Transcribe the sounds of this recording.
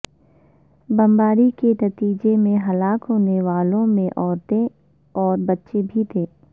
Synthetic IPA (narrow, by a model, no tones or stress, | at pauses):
bɐ̃mbaːɾikenɐt̪iːd͡ʒemẽɦɐlaːkɦoːneʋaːlõmẽʔɔːɾt̪ẽ | ɔːɾbɐtːʃebʱit̪ʰeː